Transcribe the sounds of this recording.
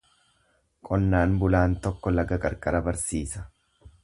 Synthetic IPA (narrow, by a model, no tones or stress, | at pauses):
kʼɔnːaːnbʊlaːnt̪ɔkːɔlɐɡɐkʼɐɾkʼɐɾɐbɐɾsiːsɐ̥